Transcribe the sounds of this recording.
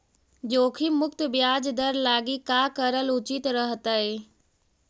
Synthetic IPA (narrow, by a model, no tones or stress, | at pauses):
d͡ʑoːkʰimʊkt̪bijaːd͡ʒd̪əɾlaːɡikaːkəɾəlʊt͡ʃɪt̪ɾəɦət̪əɦeː